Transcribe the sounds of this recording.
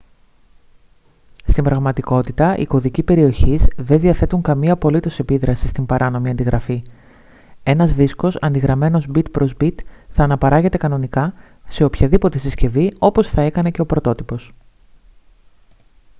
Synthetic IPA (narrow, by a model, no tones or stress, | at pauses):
st̪imbɾɐɣmɐt̪iko̞t̪it̪ɐʔḭko̞ðicipe̞ɾio̞çizðe̞nðiɐθe̞t̪uŋkɐmiɐpo̞lit̪o̞se̞piðɾɐsist̪imbɐɾʔɐno̞miɐnd̪iɣɾʔɐfi | e̞nɐzðisko̞sɐnd̪iɣɾɐme̞no̞zbit̪pɾo̞zbit̪θɐːnɐpɐɾɐɣe̞t̪e̞kɐno̞nikɐ | se̞o̞pçɐðipo̞t̪e̞sisce̞vio̞po̞sθɐe̞kɐne̞ce̞o̞pɾo̞t̪o̞t̪ipo̞s